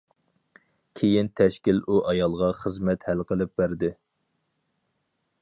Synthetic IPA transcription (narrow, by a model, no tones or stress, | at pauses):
kʲʰejint̪ʰɛʃkʲiluʔɑjɑlˠʁɑχəzmɛt̪hɛlqəlˠɪp̚bæɾd̪ɪ